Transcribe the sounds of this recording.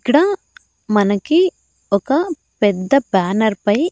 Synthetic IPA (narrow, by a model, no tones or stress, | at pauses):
kɽa | mɐnɐkːi | ɔkɐ | pɛd̪ːɐbaːnɐɾpɐj